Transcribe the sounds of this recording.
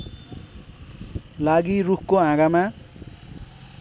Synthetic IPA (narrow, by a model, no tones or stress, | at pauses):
laɡirukʰkoãɡamã